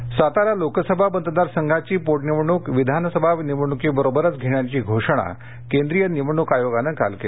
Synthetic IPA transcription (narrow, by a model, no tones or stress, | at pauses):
sat̪aɾalokəsəbʱabənd̪əd̪aɾsəŋɡʱat͡ɕiːpoʈniʋɳukʋid̪ʱansəbʱaʋniʋɳukiːbəɾobəɾət͡sɡʱeɳjat͡ɕiːɡʱoʂəɽ̃a̰ | kẽnd̪ɾijəniʋɳukajoɡanəka̰lkel